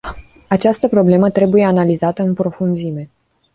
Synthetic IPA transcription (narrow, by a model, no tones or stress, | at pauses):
at͡ʃast̪əpɾo̞ble̞mət̪ɾe̞buje̞analizat̪əɨnpɾo̞funzime̞